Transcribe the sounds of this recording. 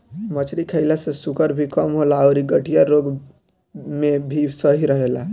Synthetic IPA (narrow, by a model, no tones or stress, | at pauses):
mət͡ʃɾikʰəɪlasesukəɾbʱikəmɦolaɔɾiɡəʈijaɾoɡ | mebʱisəɦiɾəɦela